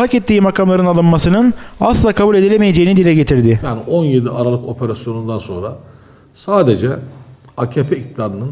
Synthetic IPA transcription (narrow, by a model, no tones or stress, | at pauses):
acet̪ːiːmakʰamlˠaɾɯnalˠɯnmasɯnɯna̰slˠakʰabuːlʲe̞d̪ilʲemejed͡ʒe̞jinid̪ilʲɛɟe̞t̪ʰiɾd̪ɪjaːniʔo̞njed̪iʔaɾalˠɯkʰo̞pʰeɾasjo̞nund̪anso̞nɾa | saːd̪ed͡ʒɛ | acʰepʰɛict̪ʰid̪aːɾɯnɯn